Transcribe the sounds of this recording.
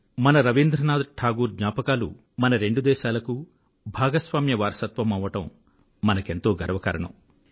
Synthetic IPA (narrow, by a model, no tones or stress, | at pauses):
mɐnɐɾɐʋind̪ɾɐnaːd̪ʈʰaːɡuːɾɡɲaːpɐkaːlṵ | mɐnɐɾe̞ɳɖud̪ɛːʃaːlɐku | bʱaːɡɐsʋaːmjɐʋaːɾɐsɐt̪ʋɐmɐʋːɐʈɐmː | ɐnɐke̞nt̪o̞ːɡɐɾɐʋɐkɐɾɐɳɐ̰m